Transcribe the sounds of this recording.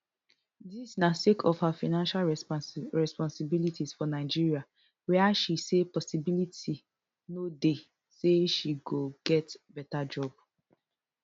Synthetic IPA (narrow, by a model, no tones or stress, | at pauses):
disnasekʰɔfhafaɪnãnʃalɹɛspɔ̃nsibilitʰisfɔnaɪd͡ʒiɹia | wɛaʃisepɔsibilitʰi | node | seʃiɡoɡɛtbɛtad͡ʒɔb̚